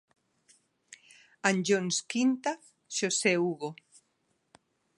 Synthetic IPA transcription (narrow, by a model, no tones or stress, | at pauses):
and͡ʒonskint̪a | ʃoseuɣo